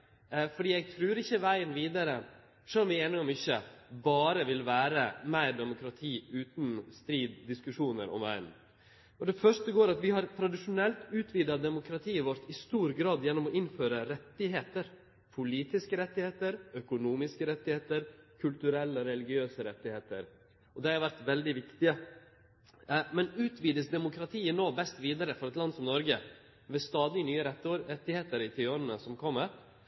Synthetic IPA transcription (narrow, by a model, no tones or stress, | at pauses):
fɔɖiːɛɪɡ̚t̪ʰɾʉːɾɪçːəʋæɪənʋiːd̪ɑɾə | ʂɛlːɔmʋɪeːnɪɔmʏçːəbɑːɾəʋɪlʋæːɾəmæɪɾd̪ɛmʊkʰɾɑt̪ʰiːʉːt̪nst̪ɾiːd̪d̪ɪskʉʂuːnə̰ɾɔ̰mʋæ̰ɪə̰n | ɔd̪ɛfœʂʈəɡoːɾɑt̪ʋɪhɑɾt̪ʰɾɑd̪ɪʂʊnɛlt̪ʉːt̪ʰʋiːd̪ɑd̪ɛmʊkʰɾɑt̪ʰiːʋɔɾt̪ɪst̪uːɾɡɾɑːd̪jɛnːɔmɔʔɪnføːɾəɾɛt̪ːɪɦeːt̪əɾ | pʰʊliːt̪ɪskəɾɛt̪ːɪheːt̪əɾœkʊnuːmɪskəɾɛt̪ːɪheːt̪əɾkʰʉlt̪ʉɾɛlːɔɾɛlɪɡɪøːsəɾɛt̪ːɪheːt̪ə̰ɾ | ɔd̪ɛhɑɾʋæɾt̪ʋɛld̪ɪʋɪkt̪ɪə | mɛnʉːt̪ʰʋiːd̪əsd̪ɛmʊkʰɾɑt̪ʰiːənoːbɛst̪ʋiːd̪ɑɾəfɔɾɛt̪lɑnsɔmnɔɾɡə | ʋɛst̪ɑːd̪ɪnyːəɾɛt̪ːɛt̪ːɪheːt̪əɾɪt̪ʰɪɔnnəsɔmkʰɔmːəɾ